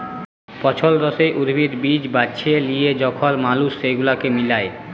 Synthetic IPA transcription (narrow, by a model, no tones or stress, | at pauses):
pɔt͡ɕʰolɾɔsejʔuɾbʱid̪bid͡ʑbatːʃʰelijed͡ʑɔkʰolmalusːejɡulakemilae